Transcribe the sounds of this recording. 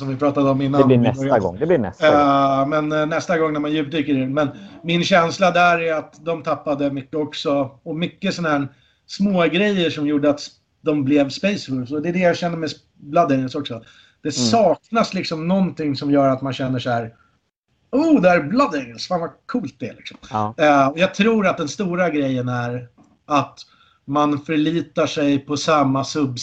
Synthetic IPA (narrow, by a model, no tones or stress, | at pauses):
sɔmvɪpʰɾɑːt̪ad̪əɔmːɪnːaɛɛɾɡɔ̰ŋd̪ɛblɪnɛ | mɛnnːɛst̪aɡɔŋːnæɾmanjʉ̟p̚d̪yːkəɾɪmɛnmɪnɕɛnslad̪æɾæɾat̪d̪ɔmt̪ʰapːad̪əmʏkːəɔksɔɔmʏkːəsɔnahæːɾ | smoːɡɾɛjːəʂɔmjuːɖəat̪ | d̪ɔmblɛvspɛjsbʊlsɔd̪ɛd̪ɛjaɕɛnːəɾmɛs | blad̪ɛɡəlsɔksɔ | d̪̥ɛsɑːknaslɪksɔmnɔnt̪ʰɪŋsɔmjœːɾat̪manɕɛnːəʂæːɾ | uːd̪ɛæɾblad̪ɛɡəlsfaːnvakʰuːlt̪̚d̪ɛ̰lɪksɔmɔjɑːɡ̚t̪ʰɾuːɾat̪̚d̪ɛnst̪uːɾaɡɾɛjːənæɾ | at̪ | manfœɾɭiːt̪aʂɛjpʰɔsamːasɵb